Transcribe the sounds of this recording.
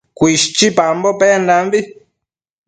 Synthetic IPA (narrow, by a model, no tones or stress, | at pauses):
kʷiʃt͡ʃipambopeandãmbi